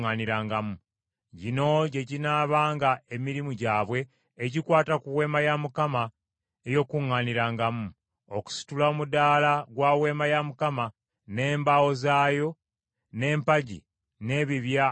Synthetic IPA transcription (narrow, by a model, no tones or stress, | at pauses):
ŋaniɾaːŋɡamu | ɟino̞ɟe̞ɟinaːβaːŋɡae̞miɾimuɟaːβwe̞ː | ɟikwaːtakuwe̞ːmajamukama | ejo̞ːkuŋːaniɾaːŋɡamu | oku̥si̥tulaomudaːlaɡwawe̞ːmajamukama | ne̞ːmbawo̞zaːjo̞ | ne̞ːmpaɟḭ | ne̞ːβiβja